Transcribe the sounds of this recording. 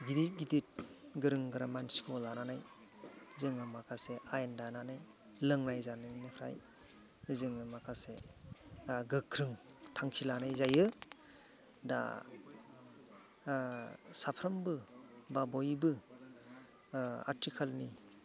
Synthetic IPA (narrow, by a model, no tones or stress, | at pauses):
ɡidit̚ɡidit̚ɡɯɾɯŋɡɯɾamansi̥kʰolananaj | zɯŋɯmakʰaseajendananaj | lɯŋnajzanɯninɯpʰɾa̰j | zɯŋɯmakʰase | ɡɯkʰɾɯŋtʰaŋsʰilanajzajɯ | da̰ | sapʰɾɐmbɯbabɔjbɯ | a̰tʰikʰalni